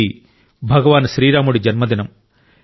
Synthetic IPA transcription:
i | bʱɐɡɐʋaːnʃɾiːɾaːmuɽid͡ʒɐnmɐd̪inɐm

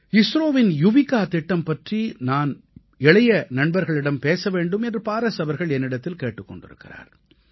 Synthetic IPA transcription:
ɪsɾoːʋɪnjʊʋɪkːaːt̪ɪʈːɐmpɐʈrinaːn | ɛɭɐjɐnɐɳbɐɾɣɐɭɪɽɐmpeːsɐʋeːɳɖɯmɛndrɯpaːɾɐsɐʋɐɾɣɐɭɛnːɪɽɐt̪ːɪlkeːʈːɯkːɔ̰ɳɖɪ̰ɾɯ̰kːɪra̰ːɾ

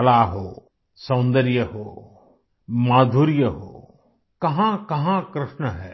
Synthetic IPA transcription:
ɐlaːɦoː | sɐ̃nd̪əɾjəɦoː | maːd̪ʱuɾjəɦo̰ː | kɐɦãkɐɦãkɾɪʃnəɦɛː

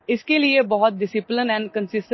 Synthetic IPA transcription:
ɪskeliebɔɦɔt̪̚ɖɪsɪplɪnɛ̃ːɳɖkə̃nsɪsʈ

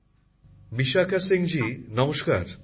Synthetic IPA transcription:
biʃakʰasiŋd͡ʑinɔmoʃkaɾ

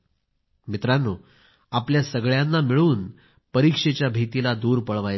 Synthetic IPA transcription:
mit̪ɾanːuː | apljasəɡɭjanːamiɭuːn | pəɾikʂet͡ɕjabʱit̪ilad̪uːɾpəɭʋaj

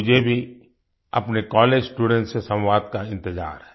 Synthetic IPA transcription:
ʊd͡ʒʱebʱi | ɐpnekɔːleːd͡ʒsʈuːɖɛ̃ɳʈsesɐ̃wwaːd̪̚kaɪ̃nt̪ɪza̰ːɾɦɛː

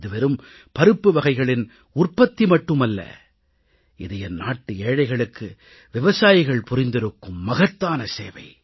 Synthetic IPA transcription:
ðɯʋɛɾɯm | pɐɾɯpːɯʋɐɣɐɪɣɐɭɪn | ʊrpːɐt̪ːimɐʈːɯmɐlːɐ̰ | ɪðɐjɐnaːʈːɯeːɻɐɪɣɐɭɯkːɯ | ʋɪʋɐsaːjɪɣɐɭpʊɾɪnd̪ɪɾɯkːɯmːɐɣɐt̪ːaːnɐseːʋɐ̰ɪ

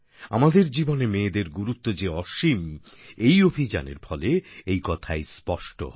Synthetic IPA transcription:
a̰mad̪eɾd͡ʑibonemeːd̪eɾɡuɾut̪ːod͡ʑeɔʃim | ejobʱid͡ʑa̰nḛɾfɔleejkɔt̪ʰaespɔʃʈo̰

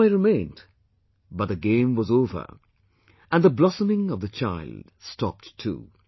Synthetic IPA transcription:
aɪɹɨmẽɪ̃nd | bʌt̪̚ðɨɡẽɪ̃mwʌzoʊvə̰˞ | ʔɨ̃nðəblɑsəmɪ̃ŋʌvðɨt͡ʃʰaɪld̥stɑ̰p̚tʰṵ

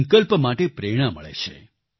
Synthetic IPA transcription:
ŋkəlpəmaʈepɾeɽ̃aməɭḛt͡ʃʰḛ

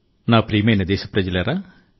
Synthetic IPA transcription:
naːpɾiːmeːnɐd̪eːsɐ̥pɾɐd͡ʒɐleɾa

